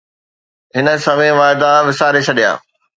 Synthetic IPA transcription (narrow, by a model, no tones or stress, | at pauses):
ɦɪnə̆sɐmẽʋaːɪd̪aʋɪsaːɾet͡ɕʰɐɗija̰ː